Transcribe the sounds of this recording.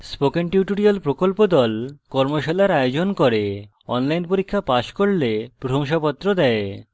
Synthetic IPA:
spokenʈjuʈoɾialpɾokolpod̪ɔlkɔɾmoʃalaɾajod͡ʑonkoɾe | ɔ̰nlajnpoɾikʰːapaʃkoɾlepɾoɾʰoŋʃapɔt̪ːɾod̪ɛe

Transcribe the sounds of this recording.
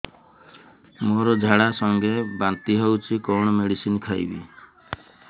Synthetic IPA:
moɾɔd͡ʒʱaɽasɔŋɡebant̪iɦewt͡ʃʰikɔwɽ̃ɔmeɽisinkʰajbḭ

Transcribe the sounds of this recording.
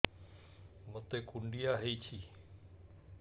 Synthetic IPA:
mət̪eːkuɳɖijaːɦeiːt͡ɕʰiː

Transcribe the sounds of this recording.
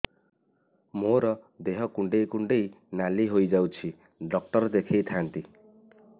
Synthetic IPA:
moɾɔ | d̪eɦɔkuɳɖejkuɳɖej | naliɦojd͡ʒawt͡ʃʰi | ɖɔk̚ʈɔɾd̪ekʰejt̪ʰant̪i

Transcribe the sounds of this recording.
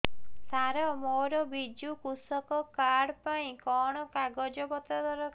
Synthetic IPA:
saɾɔmoɾɔbid͡ʒukusɔkɔkaɽpaĩkɔɽ̃ɔkaɡɔd͡ʒɔbɔt̪ɾɔd̪ʱɔɾɔ

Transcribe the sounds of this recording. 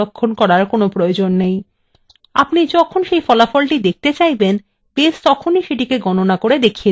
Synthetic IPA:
okʰːonkɔɾaɾkonopɾood͡ʑonːej | a̰pnid͡ʑɔkʰonʃejfɔlafɔlʈid̪ek̚t̪et͡ɕajben | best̪ɔkʰoniʃeʈikeɡɔnonakoɾed̪ekʰie

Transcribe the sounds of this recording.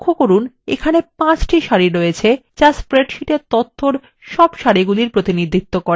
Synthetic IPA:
kʰːokoɾun | ḛkʰanepãt͡ɕʈiʃaɾiɾoet͡ɕʰet͡ɕaspɾeʈʃiʈeɾt̪ot̪ʰːoɾ | ʃɔbʃaɾiɡuliɾpɾot̪inid̪ʱːit̪ːokoɾe

